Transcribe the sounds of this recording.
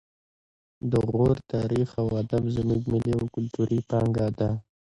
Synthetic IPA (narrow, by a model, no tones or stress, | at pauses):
d̪əɣoɾt̪ɑɾixawad̪amzəmuɡmɪliawkʊlt̪uɾipɑŋɡɑd̪a